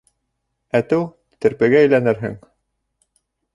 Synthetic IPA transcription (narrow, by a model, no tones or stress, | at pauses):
æt̪ɘw | t̪ɘ̆ɾpɘ̆ɡæːjlænɘɾɦɘ̰ŋ